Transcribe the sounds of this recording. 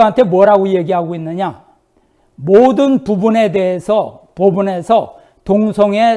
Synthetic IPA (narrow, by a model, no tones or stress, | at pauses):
ɦantʰe̞mwʌɾaɡoje̞ɡiɦaɡoinːɯɲa | modɯnpubune̞de̞ɦesʰʌpobune̞sʰʌ | toŋsʰʌŋe̞